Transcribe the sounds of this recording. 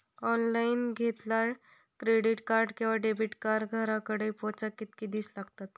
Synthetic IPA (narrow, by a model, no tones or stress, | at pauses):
ɔnlainɡʱet̪laɾ | kɾeɽiʈkaɾɖkĩʋaɖebʱiʈkaɾɡʱəɾakəɽejpɔt͡sakːit̪̚kid̪iːslaɡt̪at̪